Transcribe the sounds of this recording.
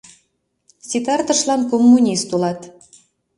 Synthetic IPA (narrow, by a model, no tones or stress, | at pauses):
sʲit̪ɑrt̪əʃlɑnkomːunʲist̪ulɑt̪